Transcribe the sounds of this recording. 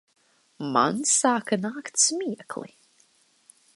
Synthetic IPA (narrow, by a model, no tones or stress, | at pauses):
ma̰nsaːkɨnaːkt̪smʲiːɛkʰlˠḭ